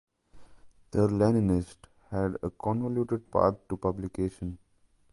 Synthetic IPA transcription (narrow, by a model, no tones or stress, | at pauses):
d̪̥əɾlɛninɪsʈ | hɛɖə̰kɔ̃nʋoljuːʈeɖ̚pa̰ːɾt̪ʈupʌblikeːʃə̃n